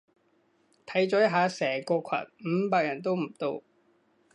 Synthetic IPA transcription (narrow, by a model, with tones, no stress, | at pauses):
t̪ʰɐ˨˥jt͡sɔː˨˥jɐ˥ɦaː˨˧sɛː˨˩kɔː˧kʰɐ̰˨˩n̚m̩ː˨˧˥paː˧k̚jɐ˨˩nt̪o˥wm̩˨˩t̪o˧w